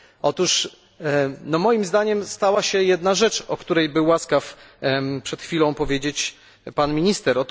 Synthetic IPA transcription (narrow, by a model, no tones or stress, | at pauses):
ɔt̪uʂ | nɔmɔjimzd̪aɲɛmst̪awaɕɛjɛd̪naʐɛt͡ʂɔkt̪uɾɛjbɘwːaskaf | pʂɛt̪xfʲilɔ̃w̃pɔvʲjed͡ʑet͡ɕ | panmʲiɲist̪ɛɾɔt̪